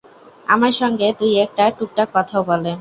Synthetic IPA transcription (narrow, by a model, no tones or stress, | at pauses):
amaɾʃɔŋɡet̪ujek̚ʈaʈuk̚ʈakɔt̪ʰaobɔle